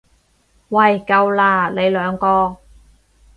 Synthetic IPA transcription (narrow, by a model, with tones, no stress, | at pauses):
wɐ˨jkɐ˧wlaː˧˩le˨˧jlœː˨˧ŋkɔː˧